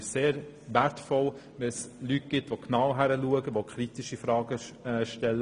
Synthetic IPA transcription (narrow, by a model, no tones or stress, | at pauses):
seːɾ | ʋæɾtfɔl | ʋɛslyt̚ɡ̥ɪtʋoknawɦæɾəluəɡəʋokʰɾitiʃifɾɑːɡəʃtɛl